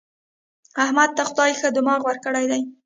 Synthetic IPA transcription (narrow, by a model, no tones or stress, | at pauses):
ahmad̪̚t̪axʊd̪ɑjxəd̪əmɑɣwaɾkəɽajd̪aj